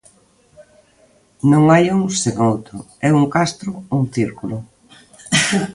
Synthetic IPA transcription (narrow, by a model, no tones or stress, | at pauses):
nõŋajuŋseŋowt̪ɾʊ | ɛuŋkast̪ɾʊuŋθiɾkulʊ